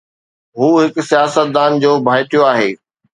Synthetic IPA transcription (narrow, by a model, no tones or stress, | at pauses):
ɦuːɦɪksijaːsət̪̚d̪aːnd͡ʑoːbʱaːɪʈ̪ijoaːɦeː